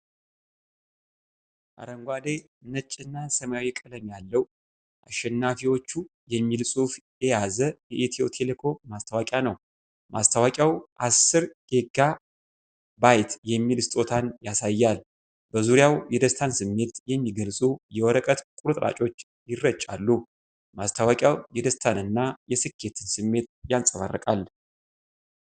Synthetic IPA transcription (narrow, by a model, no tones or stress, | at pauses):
ʔa̰ɾəŋɡʷad̪e | nət͡ʃʼːɪnːasəmaawikʼɨləmjalːəw | ʔaʃːɛnːafiwo̞t͡ʃːujɛmːilsʼufjɛjazəjɛʔet̪ʰio̞̰t̪ʰelekʰo̞mmast̪ʰawakʼjanəw | mʔa̰st̪ʰawakʼjawʔasːɨɾɡe̞ɡa | bajt̪ʰjɛmːilst̪ʼo̞t̪ʰanjasajːal | bəzuɾijawjɛd̪əst̪ʰansɨmːe̞t̪jɛmːiɡəlsʼujɛwɔɾəkʼət̪kʼuɾɨt̪ʼɾa̰t͡ʃʼo̞t͡ʃː | jɪrːət͡ʃʼːa̰lːu | mast̪ʰawakʼjawjɛd̪əst̪ʰanɨnːajɛsɨkʰːe̞t̪ʰɨnsɨmːe̞t̪jansʼəβa̰rːə̰kʼal